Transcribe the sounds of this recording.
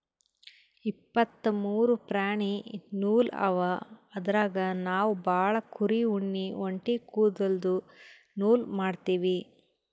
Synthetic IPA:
ipːɐt̪ːɐmuːɾupɾaːɳinuːlɐ̰ʋaːd̪ɐɾaːɡɐnaːʋubʱaːɭɐkʰuɾiuɳːioɳʈikuːd̪ɐld̪u | nuːlmaːɖt̪iːʋi

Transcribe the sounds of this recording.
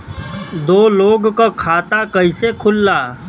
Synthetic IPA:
d̪oːloːɡkakʰaːt̪akəɪsekʰʊlːaː

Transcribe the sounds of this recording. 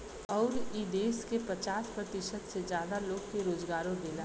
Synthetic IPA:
ɔːɾiːd̪eːskepɾɐt͡ʃaːspɾɐt̪ɪʃəd̪sezjaːd̪aloːɡkeɾoːzɡaːɾõd̪eːna

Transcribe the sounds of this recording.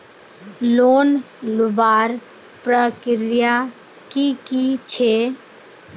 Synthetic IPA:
loːn | lʊbaːɾ | pɾəkɪɾja | kikit͡ʃʰe

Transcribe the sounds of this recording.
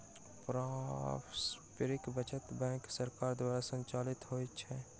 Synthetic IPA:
pɾaːfspɪɾɪkbət͡ʃət̪bɛ̃ːŋksɐɾkaːɾd̪waːɾasə̃ɲt͡ʃaːlɪt̪ɦoːit͡ʃʰɛː

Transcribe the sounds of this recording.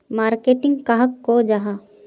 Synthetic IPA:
maːɾkeːʈɪ̃ŋɡkaɦəkːod͡ʒaɦa

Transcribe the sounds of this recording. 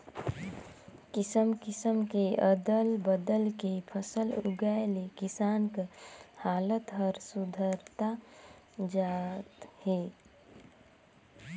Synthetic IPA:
kɪsəmkɪsəmkeəd̪əlbəd̪əlkepʰəsəlʊ̰ɡaelekɪsaːnkhaːlət̪ɦəɾsʊd̪ʱəɾt̪a | d͡ʒaːt̪he

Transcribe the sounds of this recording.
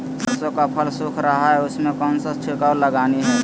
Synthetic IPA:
səsokapʰəlsʊkʰɾəɦaɦɛʊsmẽkɔnsəst͡ʃʰekaləɡaːniɦɛ

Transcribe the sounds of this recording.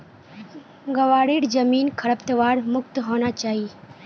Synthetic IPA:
ɡəʋaːɽeːɽd͡ʒəmiːnkʰəɽəpt̪ʋaːɾmʊk̚t̪ɦoːnat͡ʃaːɦiː

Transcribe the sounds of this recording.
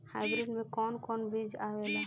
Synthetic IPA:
hajɡɾiɖmẽkɔnkɔnbid͡ʒawela

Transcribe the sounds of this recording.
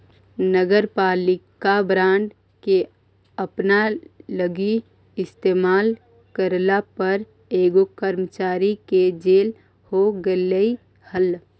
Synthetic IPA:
nəɡəɾpaːlɪkabɾãːɳɖ | ke | əpnaləɡi | ɪst̪eːmaːl | kəɾlapəɾ | eːɡokəɾmət͡ʃaːɾiked͡ʒeːl | hoɡələi | həl

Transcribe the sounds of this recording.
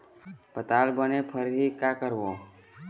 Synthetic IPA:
pət̪aːlbənepʰəɾɦikakəɾbo

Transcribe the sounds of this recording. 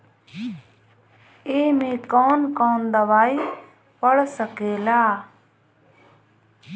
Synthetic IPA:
eːmẽːkɔːnkɔːnd̪əʋaːi | pəɽsəkeːlaː

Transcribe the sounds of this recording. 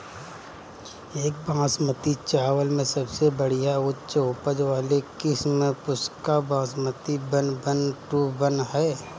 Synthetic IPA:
eːk̚bãːsmət̪it͡ʃaːwəlmẽsɐbsebəɽ̤ijaʊtːt͡ʃʊpəd͡ʒʋaːlekɪsmẽpʊskabãːsmət̪ibənbənʈubənɦɛː

